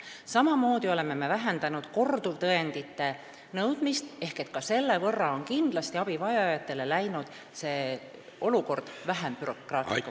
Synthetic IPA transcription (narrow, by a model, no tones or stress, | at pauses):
sɑmɑmo̞ːd̪̥io̞le̞me̞me̞væɦend̪ɑnud̪̥ko̞rd̪ult̪ɤe̞nd̪̥it̪ːe̞ | nɤwd̪̥mist̪e̞hke̞t̪̚kɑse̞lːe̞vɤrːɑo̞nkind̪̥lɑst̪iɑb̥ivɑjɑjɑt̪ːˑe̞le̞læjnud̪̥ | se̞ː | o̞luko̞rd̪̥væɦempyɾo̞krɑːt̪ː